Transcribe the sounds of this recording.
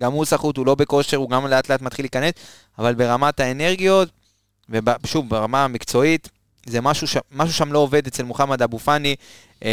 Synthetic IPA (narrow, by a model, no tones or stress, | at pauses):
ɡamusaχutulo̞be̞ko̞ʃe̞ʁuɡamle̞atleatmat̪χilːiːkane̞s | avalbe̞ʁamotae̞ne̞ʁɡijo̞t | vebaʃuvbaʁamamikt͡so̞it | zemaʃuʃemaʃ̬uʃamlo̞ːve̞d̪et͡selmoχamad̪abufani